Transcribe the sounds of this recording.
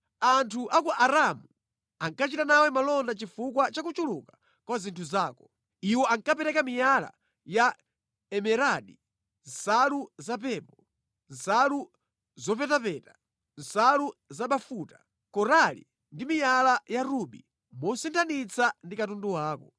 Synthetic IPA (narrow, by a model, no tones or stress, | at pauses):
antʰuʔakuʔaɾamu | aŋkat͡ʃitanawɛmalɔndat͡ʃifukwat͡ʃakut͡ʃuluka | kwazintʰuzaːkɔ̥ | iwɔaŋkapɛɾɛkamijala̰ | ja | ɛmɛɾaɗi | n̩saluzapɛpɔ | n̩salu | zɔpɛtapɛta | n̩saluzaɓafuta | kɔɾalḭ | ndimijalajaɾuɓḭ | mɔsintʰanit͡sʰandikatunduwaːkɔ